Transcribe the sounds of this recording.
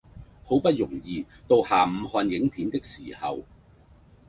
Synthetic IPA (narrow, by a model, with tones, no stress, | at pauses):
ho˨˥wpɐ˥t̚jʊ˨˩ŋjiː˨˧ | t̪o˧whaː˨˩m̩˨˧hɔː˧njɪ˨˥ŋpʰiː˨˥nt̪ɪ˥k̚siː˨˩hɐ̰˨w